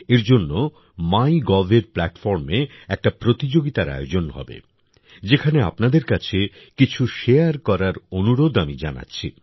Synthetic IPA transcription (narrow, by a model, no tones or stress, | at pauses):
eɾd͡ʑonːo | majɡɔvʱeɾplɛʈfɔɾme | ɛk̚ʈapɾot̪id͡ʑoɡit̪aɾa̰jod͡ʑonɦɔ̰bḛ | d͡ʑekʰanea̰pnad̪eɾkat͡ɕʰe | kit͡ɕʰuʃeaɾkɔɾaɾonuɾod̪amid͡ʑana̰tːɕʰi